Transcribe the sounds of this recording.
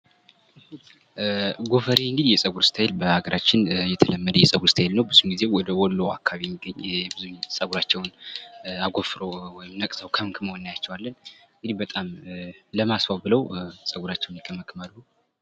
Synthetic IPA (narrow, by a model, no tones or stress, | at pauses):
ɡo̞fəɾiɨŋɡɨd̪ijɛsʼəɡuɾst̪ʰaelbəaɡəɾʔat͡ʃːɪnjɛt̪ʰələmːəd̪əjɛsʼəɡuɾst̪ʰaelnəwbɨzumɡize̞wɔd̪əwɔlːowa̰kʰːaβimiɡːəɲːjɛbɨzusʼəɡuɾat͡ʃːɛwn | aɡo̞fɾowɔjɪmnəkʼsəwkʰəmkʰɨməwɨnːajat͡ʃːɛwalːənɨŋɡɨd̪ibət̪ʼamləmasfawbɨləwsʼəɡuɾat͡ʃːɛwnjɛkʰəməkʰɨmalhu